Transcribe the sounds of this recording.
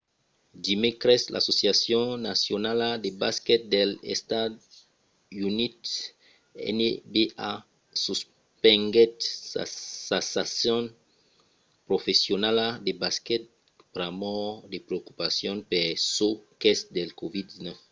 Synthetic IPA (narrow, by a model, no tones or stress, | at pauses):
d̪imikɾɛsla̰sosjasjɔ̃nasjonalad̪ebaskɛt̪̚d̪elḛst̪ad̪ | unit̪ | ɛ̰nebea | sus | pɛ̃ŋɡɛtsa̰sasasɔ̃n | pɾofesjonalad̪ebaskɛt̪̚ | pɾamɔd̪epɾeokupasjɔ̃npɛʁsokɛsd̪elkovid̪̚disnɔf